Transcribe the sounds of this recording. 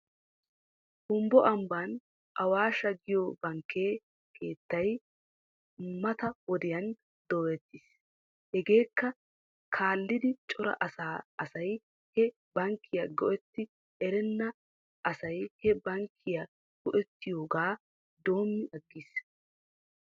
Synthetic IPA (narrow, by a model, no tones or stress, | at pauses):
hʊmbɔʔɐmban | ʔɐwaːʃɐɡɪjobɐŋkʰːeː | kʰe̞ːt̪ːɐj | mɐt̪ɐwɔd̪ɪjɐn | d̪̥oːɛt̪ːɪs | hɛɡe̞ːkːɐ | kʰaːlːɪd̪ɪt͡ʃʼɔɾɐ̰ʔɐsaːɐsɐj | hɛ | bɐŋkʰːɪjɐɡɔʔɛt̪ːɪ | ɛɾɛnːɐ | ʔɐsɐjhɛbɐŋkʰːɪja | ɡ̥ɔʔɛt̪ːɪjo̞ːɡaː | d̪o̞ːmːɪʔɐɡːis